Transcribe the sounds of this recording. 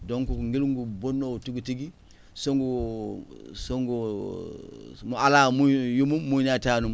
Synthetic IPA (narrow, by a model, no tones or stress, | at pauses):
doŋkukŋɡilŋɡubonːotiɡutiɡi | soŋɡu | soŋɡu | mualaːmujumumːunatanum